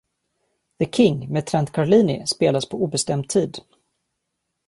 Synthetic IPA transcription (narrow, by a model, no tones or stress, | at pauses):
ðəkʰɪŋmet̪ʰɾant̪kʰaɾɭiːnɪ̰speːlaspʰɔuːbɛst̪ɛmt̪̚ʰiːd̪